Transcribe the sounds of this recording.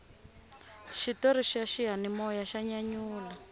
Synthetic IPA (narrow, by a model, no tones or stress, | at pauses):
ʃitɔɾiʃaʃiɦanimɔjaʃaɲaɲuːla